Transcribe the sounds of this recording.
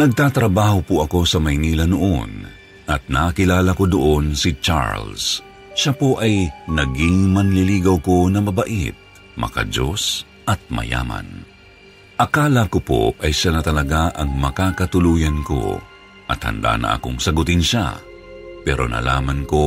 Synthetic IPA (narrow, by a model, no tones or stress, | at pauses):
nɐɡ̚t̪aːt̪ɾɐbaːhopʊɐko̞sɐmɐjniːlɐnoʔo̰n | ɐt̪̚nɐkɪlaːlɐko̞d̪oʔonsɪt͡ʃa̰ɹls | ʃapoʔɐjnɐɡiŋmɐnlɪliːɡɐwko̞nɐmɐbɐʔḭt̪̚ | mɐ̰ka̰d͡ʒo̞s | ʔɐt̪̚mɐ̰ja̰ːmɐ̰n | ʔɐkaːlɐkopo̰ʔɐjʃanɐt̪ɐlɐɡaʔɐŋmɐkakɐt̪ʊluːjɐnko̞̰ | ʔɐ̰t̪hɐ̰nd̪a̰nɐ̰ʔɐ̰ko̞ŋsɐɡʊt̪ɪnʃa̰ | pɛɾo̞̰nɐ̰la̰ːmɐnko̞